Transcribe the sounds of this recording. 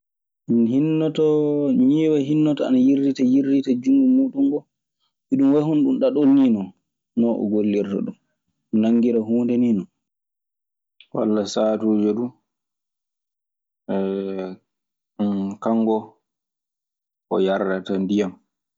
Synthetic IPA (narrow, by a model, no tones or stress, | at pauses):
nhinːɔtɔɲiːwaɦinːɔtɔanajiɾditajiɾditad͡ʒuŋːɡumuɗuŋɡɔ | iɗumwahunɗunɗaɗolninɔ | nɔʔɔ̰ɡolːiɾta̰ɗum | naŋːɡiɾaɦuːndɛninɔ | wa̰lːasaːtud͡ʒeɗu | ɛ | kaŋːɡɔ | ɔ̰jaɾdatandijam